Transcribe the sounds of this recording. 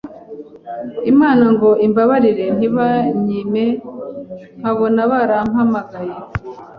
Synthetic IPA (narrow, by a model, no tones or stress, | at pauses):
imaːnaŋɡo̞imbaβaɾiɾe̞n̥iβaɲiːme̞ | ŋ̥haβonaβaɾamhamaɡaje